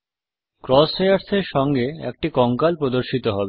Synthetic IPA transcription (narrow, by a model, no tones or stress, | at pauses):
kɾɔsejaɾseɾʃɔŋɡeɛ̰k̚ʈikɔŋkalpɾod̪oɾʃit̪oɦɔbe